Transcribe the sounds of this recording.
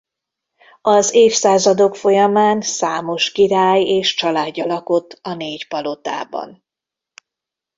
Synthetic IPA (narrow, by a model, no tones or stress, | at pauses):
ɒzeːfsaːzɒd̪o̞kfo̞jɒmaːnsaːmo̞ʃkiɾaːjeːʃt͡ʃɒlaːdːɒlɒkot̪ʰːɒneːcpɒlo̞t̪a̰ːbɒ̰n